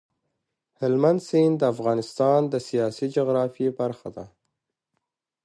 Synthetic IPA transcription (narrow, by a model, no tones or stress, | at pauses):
hɪlmand̪sind̪əafɣɑnɪst̪ɑnd̪əsijɑsid͡ʒʊɣɾɑfjebaɾxad̪a